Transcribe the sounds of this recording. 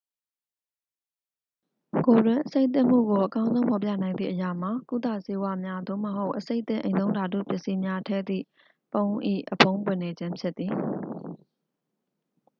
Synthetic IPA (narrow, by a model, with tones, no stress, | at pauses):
ko˨dwɪ̃˨ʔəse˦ɪʔt̪ɪ̰̃˦˨m̥ṵ˦˨ɡo˨ʔəkã˦ʊ̃zõ˦ʊ̃pʰɔ˨p̬ja̰˦˨nã˨ɪ̃nd̪ðḭ˦˨ʔəja˨m̥a˨ku˦˨t̪a̰˦˨se˦wa˦˨mja˦d̪o̰˦˨məɦo˦ʊʔəse˦ɪt̪ɪ̃˦ʔẽ˨ɪ̃t̪õ˦ʊ̃nda˨d̪ṵ˦˨pjɪ˦ʔsi˦mja˦tʰɛ̰˦˨d̪ḭ˦˨ | põ˦ʊ̃ʔḭ˦˨ʔəpʰõ˦ʊ̃pwɪ̃˨ne˨d͡ʑɪ̃˦mpʰjɪ˦t̪̚ːi˨